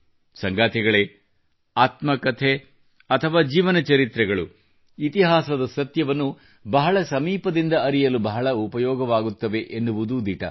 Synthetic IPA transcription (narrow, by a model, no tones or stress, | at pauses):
sɐŋɡaːt̪ʰɛɡɐɭe | aːt̪mɐkɐt̪ʰe | ɐt̪ʰɐʋaːd͡ʒiːʋɐnɐt͡ʃɐɾit̪ɾɛɡɐɭu | it̪iɦaːsɐd̪ɐsɐt̪jɐʋɐnːu | bɐɦɐɭɐsɐmiːpɐd̪ind̪ɐɐɾijɐlubɐɦɐɭɐupɐjɔːɡɐʋaːɡut̪ːɐʋe̞ʔenːuʋud̪ud̪iʈɐ̰